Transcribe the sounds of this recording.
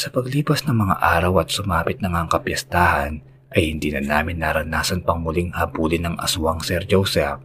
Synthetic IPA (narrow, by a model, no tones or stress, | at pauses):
sɐpɐɡliːpɐsnɐŋmɐŋa̰ʔaːɾɐwɐt̪̚sʊmaːpɪt̪̚nɐŋaʔŋkɐpjɐst̪aːhɐn | ʔɐjhɪnd̪iːnɐnaːmɪnːaɾɐnaːsɐnpɐŋmʊliŋhɐbuːlɪnɐŋʔɐ̰sʊaŋsɛɾd͡ʒowsɛf̚